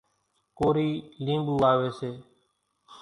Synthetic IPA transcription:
koːɾiːlĩːmbuːaːʋeːseː

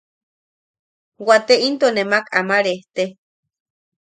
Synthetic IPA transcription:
wat̪eint̪onemakamaɾeht̪e

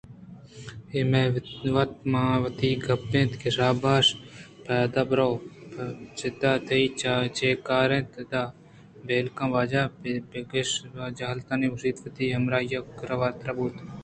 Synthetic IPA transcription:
emeʋɐt̪maːʋɐt̪iːɡɐpːẽːt̪kɪsaːbaːʃpɛːd̪aːbɾowpt͡ʃɪd̪aːt̪ʰɐit͡ʃːt͡ʃeːkaːɾẽːt̪d̪aː | beːlkãːʋaːd͡ʒaːbɡeʃd͡ʒaɦɐlt̪aːniːʊsiːt̪ʋɐt̪iːɦɐmɾaːjɐkɾɐʋaːt̪ɾɐbuːt̪

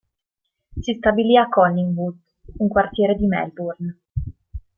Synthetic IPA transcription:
sist̪abiliakːɔnːiŋvud̪ | uŋkwart̪jeːɾed̪imɛ̰lburn

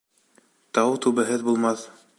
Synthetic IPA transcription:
t̪ɑwt̪ʉβɘ̆ɦɘðbulˠmɑθ

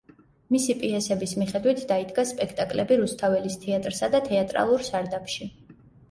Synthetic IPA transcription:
misipʼiɛsɛbismiχɛd̪wit̪ʰd̪aid̪ɡaspʼɛkʰt̪ʼakʼlɛbiɾust̪ʰavɛlist̪ʰɛat̪ʼɾsad̪at̪ʰɛat̪ʼɾa̰lˠuɾsaɾd̪apʰʃi

